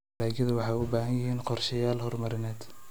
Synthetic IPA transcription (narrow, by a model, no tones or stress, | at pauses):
laːɡɐðɐwɑħɑjʊbaːɦɐnjɐɦiːnqɔrʃɐjaːlhɔrmɐɾɪnɛːd̪